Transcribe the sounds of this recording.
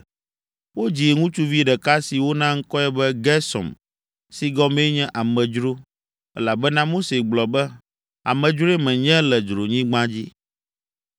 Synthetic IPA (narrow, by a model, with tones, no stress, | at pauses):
wo˦d͡ʑi˨e˨ŋũ˦t͡ʃu˦vi˦ɖɛ˨ka˦si˨wo˦nã˦ŋ̩˦kɔ˦ɛ˦bɛ˦ɡɛ˦sɔ̰̃˨m | si˦ɡɔ˦mɛ˦ɲɛ̃˦ʔa˨mɛ̃˨d͡ʒɾo˦ | ɛ̰˦la˨bɛ˦nã˦mo˦se˨ɡ͡blɔ˨bɛ˦ | a̰˨mɛ̃˨d͡ʒɾo˦ɛ˦mɛ̃˨ɲɛ̃˦lɛ˨d͡ʒɾo˨ɲĩ˦ɡ͡bã˦d͡ʑi˦